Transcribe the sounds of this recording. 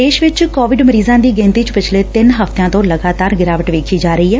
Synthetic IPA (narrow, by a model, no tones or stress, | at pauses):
eːʃʋɪt͡ʃkɔːʋɪɖməɾiːzãːd̪iːɡẽːnt̪iːt͡ʃpɪt͡ʃʰleːt̪ɪnɦəft̪jãːt̪õːləɡaːt̪aːɾɡɪɾaːʋəʈʋeːkʰiːd͡ʒaːɾəiːɛː